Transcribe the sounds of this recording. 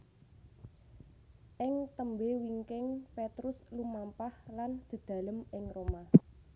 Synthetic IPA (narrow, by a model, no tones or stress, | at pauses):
ʔɪŋt̪əmbewiŋkɪŋpet̪ɾʊslumampahland̪̥ə̤d̪̥ä̤ləmɪŋroma